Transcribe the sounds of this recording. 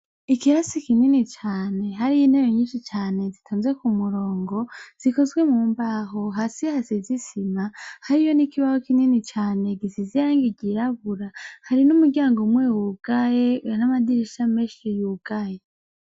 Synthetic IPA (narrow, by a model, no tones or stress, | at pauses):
ikiasikininit͡ʃaːne̞ɦaɾijinhejoɲiːnʃit͡ʃaːne̞zitʰuːnzwe̞kumuɾo̞ːŋɡo̞z̥iko̞zɡwe̞muːmbaɦoɦasihazezisimahaɾijo̞nikiβahokininit͡ʃaːne̞ɡizizijaːŋɡiɟiɾaβuɾahaɾinumuɾɟaːŋɡomwewuɡ̥ajenamadiɾiʃameːʃijuɡ̥aje